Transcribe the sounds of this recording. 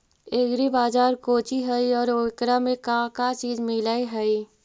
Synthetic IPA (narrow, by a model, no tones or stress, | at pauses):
eːɡɾibaːzaːɾkoːt͡ʃiɦɛiɔːɾoːkɾamẽkãkat͡ʃiːzmɪlaeɦɛi